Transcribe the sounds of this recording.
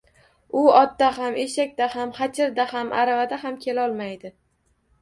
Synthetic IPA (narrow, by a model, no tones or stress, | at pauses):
ʊɒt̪ːaɦame̞ʃakʲd̪ahamχat͡ʃʰɪɾd̪ahamʔa̰ɾavad̪ahamkʲʰe̞laɒlˠmajd̪ɪ